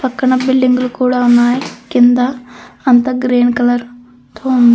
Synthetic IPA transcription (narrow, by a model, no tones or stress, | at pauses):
pɐkːɐɳɐbɪlːiŋɡlukuːɽaunːaːjikɪnd̪aɐnt̪ɐɡɾeːɳkɐlɐɾ | t̪ʰoːund̪i